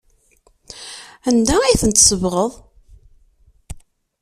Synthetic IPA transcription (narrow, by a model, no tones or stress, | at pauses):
ænd̪aijθənt̪səvʁəðˤ